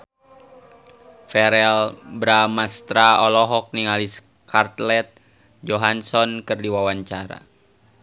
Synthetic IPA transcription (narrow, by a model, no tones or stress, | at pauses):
fɛɾɛlbɾamast̪ɾaɔlɔɦɔk̚niŋalis | kʰart̪lɛt̪̚ | d͡ʒɔɦansɔnkɨrdiwawaɲt͡ʃaɾa̰